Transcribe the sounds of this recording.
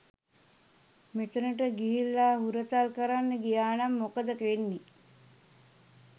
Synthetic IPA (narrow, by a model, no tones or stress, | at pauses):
met̪ənəʈ̬əɡiɦilːaːɦuɾət̪alkəɾanːəɡijaːnamːokəd̪əkʋenːi